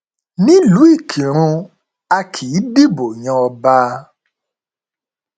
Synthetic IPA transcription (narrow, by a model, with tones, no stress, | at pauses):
nĩ˦lu˨˦i˦˨kʰi˨ɾ̃ũ˧ | a˧kʰi˨˦di˦bo˨ɲɔ̃˧ɔ˧baː˧˦